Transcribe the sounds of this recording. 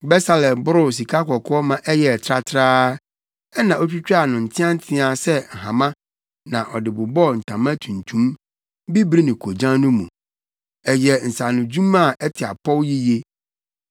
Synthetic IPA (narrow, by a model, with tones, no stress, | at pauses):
bɛ˦sa˦lɛ̃˨bʊ˦ɾʊ˦˨s̬i˨kʰa˦kɔ˨kʰʊ˦ɔ˦mã˨ʔɛ˦jɛ˨tʰɾa˦tʰɾaː˦ | ɛ˦nã˨ʔo˦t͡ɕᶣu˦t͡ɕᶣa˨nʊ̃˨n̩˨tʰɪ̃˦ã˦n˦tʰɪ̃˦a˨sɛ˦ŋ̩˨ɦã˨mã˦ | nã˨ʔɔ˨dɪ˨bʊ˨bɔ˦˨n̩˨tʰã˨mã˦tʰũ˨n˨tʰũ˦m | bi˦bɾi˦nɪ̃˨kʰo˨d͡ʑã˦nʊ̃˦mũ˨ | ɛ˨jɛ˨n̩˨sa˨nʊ̃˨d͡ʑũ˦mã˦˨ɛ˦tʰɪ˨a˨pʰɔ˦wji˦je˦